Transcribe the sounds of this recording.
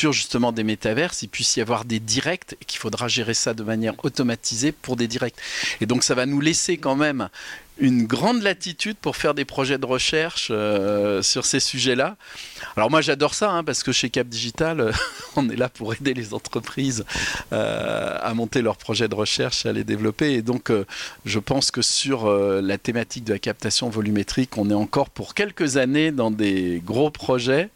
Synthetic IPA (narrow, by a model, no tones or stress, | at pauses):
syʁʒyst̪əmɑ̃d̪emet̪avɛʁsilpɥisijavwaʁd̪ed̪iʁɛk̚t̪ekʲi̥fod̪ʁaʒeʁesad̪əmanjɛʁot̪ɔmat̪izepuʁd̪ed̪iʁɛk̚t̪ed̪ɔ̃ksavanulesekɑ̃mɛmynɡʁɑ̃d̪lat̪it̪yd̪̚puʁfɛʁd̪epχɔʒɛd̪əʁəʃɛʁʃøsyʁsesyʒɛlaalɔʁmwaʒad̪ɔʁsaɛ̃paʁsə̥kəʃekap̚d̪iʒit̪aløɔ̃nɛlapuʁed̪elezɑ̰̃t̪χəpχizø̰a̰mɔ̃t̪elœʁpχɔʒɛd̪əʁəʃɛʁʃaled̪evlɔpeːd̪ɔ̃køʒəpɑ̃skəsyʁølat̪emat̪ik̚d̪əlakap̚t̪asjɔ̃vɔlymet̪χikɔ̃nɛɑ̃kɔʁpuʁkʲɛlkəzaned̪ɑ̃d̪eɡʁopχɔʒɛ